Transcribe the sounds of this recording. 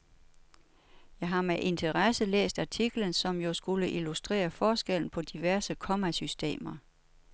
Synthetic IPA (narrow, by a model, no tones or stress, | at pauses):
jɑ̈ɪɦɑ̈meʔe̝nt͡sʰəʁɑsəlḛːsd̥æt͡sʰiɡ̥lən̩sɒ̽mjo̝sɡ̥uləʔilusd̥ʁḛːɐfɒːsɡ̥el̰n̩pʰɒ̽d̥iʋæɐsəkʰɒ̽mæsysd̥e̝̰ːmɐ